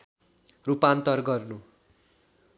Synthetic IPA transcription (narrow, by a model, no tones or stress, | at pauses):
rupant̪ʌrɡʌrnu